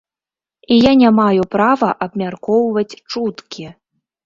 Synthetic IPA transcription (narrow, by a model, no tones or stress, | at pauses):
ijanʲamajupɾavɐʔɐbmʲarkɔwvɐt͡sʲt͡ʂut̪kʲi